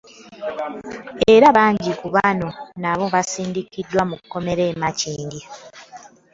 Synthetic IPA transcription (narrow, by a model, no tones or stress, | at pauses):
e̞ɾaβaːɲɟikuβano̞naβo̞βasiːndikidːwamukːo̞me̞ɾe̞ːmaciːɲɡi